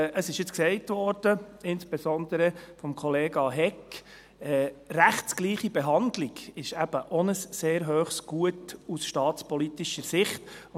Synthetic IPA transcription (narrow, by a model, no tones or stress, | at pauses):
ʔəsɪʃjɪt͡sksɛɪtʋɔɾd̥əɪnsb̥esɔnd̥̪əɾəfɔmkʰɔleːɡɑɦɛk | ɛræχtsɡ̥liːχibeɦɑnd̪liɡɪʃæb̥əʔɔnəsːeːɾɦøːχsɡ̥uətusʃtɑːtt͡spɔlit̪iʃəɾsɪχt